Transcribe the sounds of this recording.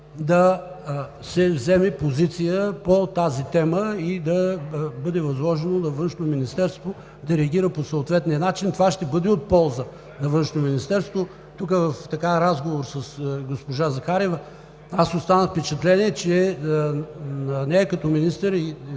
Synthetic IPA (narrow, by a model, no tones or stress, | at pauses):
d̪ɐ | sɛvzɛmɛpozit̪sijəpot̪azit̪ɛməid̪ɐbɤd̪ɛvɐzlˠɔʒɛnonɐvɤnʃnot̪ominist̪ɛɾst̪vo | d̪ɐɾɛɐɡ̟ʲiɾəposoːt̪vɛt̪nijənat͡ʃint̪ovaʃt̪ɛbɤd̪ɛot̪̚pɔlˠzə | nɐvɤnʃnominist̪ɛɾst̪vo | t̪ukəvɐft̪ɐkaɾazɡovoɾsɐsɡospoʒazɐxaɾɛvɐ | asost̪anəfpɛt͡ʃɛt̪lɛniɛt͡ʃɛ | nnɛːkɐt̪ɔminist̪əɾi